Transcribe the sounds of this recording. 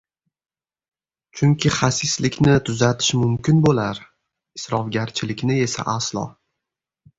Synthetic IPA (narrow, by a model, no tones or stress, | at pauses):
t͡ʃʰʊŋkʲʰɪχasɪslɪkʲnɪt̪ʰʊzat̪ʰɪ̥ʃmʊmkʲɪnbolaɾ | ɪsɾɒvɡʲaɾt͡ʃʰɪlɪkʲnɪe̞sa̰ʔaslˠɒ̰